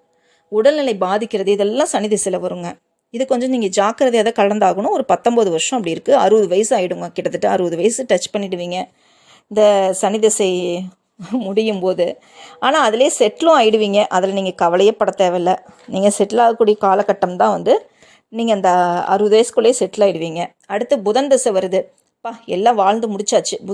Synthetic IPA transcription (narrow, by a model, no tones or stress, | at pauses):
ʊɽɐlnɪlɐɪbaːðɪkʲːɪɾɐðɯɪðɛlːãːsɐnɪðɐsɐlɐʋɐɾɯŋɡɐ | ɪðɯkɔɲd͡ʒɔ̃niːŋɡɐd͡ʒaːkɐɾɐðɐjɐðɐkɐɭɐnd̪aːɣɐɳʊ̃ɔɾɯpɐt̪ːɔmbɐðɯʋɐɾʂɔ̃ɐpːɐɽɪɪɾɯkːɯɐɾɯʋɐðɯʋɐjɐsɯaːjɪɽɯŋɡɐkɪɽɐt̪ːɯʈːɯɐɾɯʋɐðɯʋɐjɐsɯʈɐt͡ʃːpɐɳːɪɽɯʋiːŋɡɐ | ɪnd̪ɐsɐnɪðɐsɐɪ | mʊɽɪjɯmpoːðɯ | aːnãːɐðɪleːsɛʈːlʊ̃aːjɪɽɯʋiːŋɡɐʔɐðɪlniːŋɡɐkɐʋɐlɐjɐpːɐɽɐt̪ːeːʋɐɪlːɐ | niːŋɡɐsɛʈːɪlaːɣɐkːuːɽijɐkaːlɐkːɐʈːɐmt̪ãːʋɐnd̪ɯ | niːŋɡɐɪnd̪ɐɐ̰ɾɯʋɐðɯʋɐjɐskɯɭːeːsɛʈːlaːjɪɽɯʋiːŋɡɐ | ɐɽɯt̪ːɐbʊðɐnd̪ɐsɐʋɐɾɯðɯ | paːɛlːãːʋaːɻnd̪ɯmʊɽɪt͡ʃːaːt͡ʃːɯb